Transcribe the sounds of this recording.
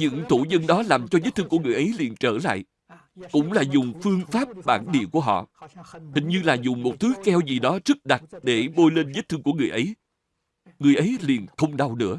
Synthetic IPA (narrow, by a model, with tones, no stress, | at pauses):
ɲɨ̰˧˥ŋt̪u˧˩zə˧nɗɔ˨˦laː˨˩mt͡ɕɔ˧zə˦˥t̚t̪ʰɨ˧ŋku˧˩ŋɨ˨˩əjʔə˨˦jlḭ˨˩ənt͡ɕəː˧˩la̰ː˧˨j | kʊ̰˧˥ŋ͡mlaː˨˩zʊ˨˩ŋ͡mfɨ˧əŋfaː˦˥p̚ɓa̰ː˧˩nɗḭ˧˨əku˧˩əɦɔ̰˧˨t̪ʰï˨˩ŋ̟ɲɨ˧laː˨˩zʊ˨˩ŋ͡mmo˨˩t̚t̪ʰɨ˨˦kɛ˧wzi˨˩ɗɔ˨˦zɨ˦˥k̚ɗa˨˩t̚ɗe˧˩ɓo˧jle˧nzə˦˥t̚t̪ɨ˧ŋku˧˩əŋɨ˨˩əjʔə˨˦j | ŋɨ˨˩əjʔə˨˦jli˨˩ənxə˧wŋ͡mɗa˧wnɨ̰˧˥ə